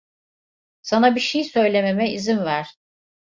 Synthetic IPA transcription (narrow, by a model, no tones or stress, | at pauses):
sanabiʃejsø̞jlʲe̞me̞mɛizinvæɾ̥